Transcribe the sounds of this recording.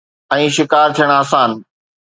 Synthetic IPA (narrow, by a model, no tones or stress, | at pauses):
ɛ̃ːʃɪkaːɾt̪ʰijəɽ̃aːsaːn